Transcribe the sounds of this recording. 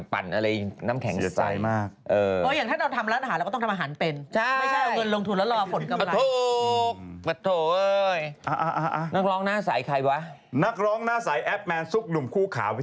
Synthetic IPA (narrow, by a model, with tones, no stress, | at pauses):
pa̰˨˩nʔa˧ɾa˧jnaː˦˥mkʰɛ˨˩˦ŋu˨˩sa̰˩˦jmaː˥˩k̚ʔɤː˧˩oː˧˦jaː˨˩ŋt̪ʰaː˥˩ɾa˧wt̪ʰa˧mʔɾaː˦˥nʔa˧ɦaː˨˦lːɔ˥˩t̪ʰa˧˨˧aː˧˨aː˩˦npe˧nt͡ɕʰa˥˩˧a˧ŋɤ˧nlo˧ŋt̪ʰu˧nlɛː˦˥lɔː˧fʰo˨˦nka˧t̪ʰuː˧˩k̚ba˧t̪ʰoː˧˩ʔɤː˧jʔa˧˩ʔa˧ʔa˧ʔa˧na˦˥k̚ɾɔː˦˥ŋnaː˥˩saː˩˦jkʰa˧jwa˦˥ | na˦˥k̚ɾɔː˦˥ŋnaː˦˥˩sa˩˦jʔɛ˦˥p̚mɛː˧nsu˦˥˩k̚nu˨˩mkʰuː˥˩kʰaː˨˩˦w